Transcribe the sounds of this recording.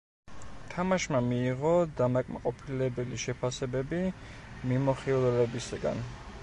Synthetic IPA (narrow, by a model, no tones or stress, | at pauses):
t̪ʰamaʃmamiːʁɔd̪amakʼma̰qʼɔpʰilɛbɛliʃɛpʰasɛbɛbi | mimɔχilˠɛlɛbisaɡa̰n